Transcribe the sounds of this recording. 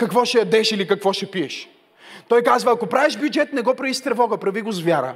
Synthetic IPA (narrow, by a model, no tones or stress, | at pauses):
kɐkvɔʃɛjɐd̪ɛʃilikɐkvɔʃɛpiɛʃ | t̪ɔjkazvɐɐkopɾavɛʒbjud͡ʒɛt̪nɛɡɔpɾɐvist̪ɾɛvɔɡəpɾɐviɡʊzvʲjaɾə̰